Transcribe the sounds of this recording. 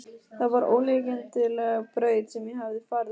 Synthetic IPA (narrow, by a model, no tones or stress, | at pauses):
θavaɾʔo̰ːwlecɪnt̪ʰɪlpɾœːɥt̪sɛmjɛɦavðɪfaːɾð